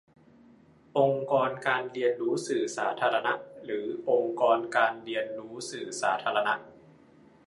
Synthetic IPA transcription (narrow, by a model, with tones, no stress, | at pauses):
ʔo˧ŋkɔː˧nkaː˧nɾi˧ənɾuː˦˥sɯː˨˩saː˩˦t̪ʰaː˧ɾa˧na˦˥ʔɾɯː˩˦ʔo˧ŋkɔː˧nkaː˧nɾi˧ənɾuː˦˥sɯː˨˩saː˩˦t̪ʰaː˧ɾa˧na˦˥ʔ